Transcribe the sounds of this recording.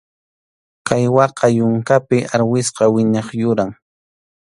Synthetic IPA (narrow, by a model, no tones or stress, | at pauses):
kajwɑqɑjʊŋkapɪʔaɾwɪsqɑwɪɲɑχjʊɾaŋ